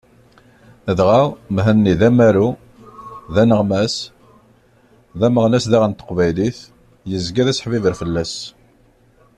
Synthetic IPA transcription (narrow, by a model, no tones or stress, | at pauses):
əðʁawmɦənːiðæmæɾu | ðænəʁmæs | ðæməʁnæsðaʁənt̪ə̥qvæjliθ | jəzɡæðæsħvivəɾfəlːæs